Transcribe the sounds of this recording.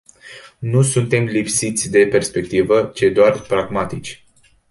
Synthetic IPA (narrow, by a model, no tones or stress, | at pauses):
nusunt̪e̞mlipsit̪sʲd̪e̞pe̞rspe̞k̚t̪ivət͡ʃe̞d̪oarpɾaɡmat̪it͡ʃʲ